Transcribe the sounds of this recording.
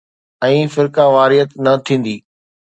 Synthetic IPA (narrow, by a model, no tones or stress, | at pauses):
ɛ̃ːfɪɾkaʋaːɾɪjət̪nɐt̪ʰĩːn̆d̪iː